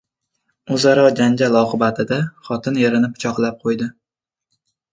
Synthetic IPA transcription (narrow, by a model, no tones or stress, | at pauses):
ozaɾɒd͡ʒand͡ʒʲalɒqʰɨbat̪ʰɪd̪aχɒt̪ʰɪneɾɪnɪpʰʊ̥t͡ʃʰɒqlˠap̚qʰojd̪ɪ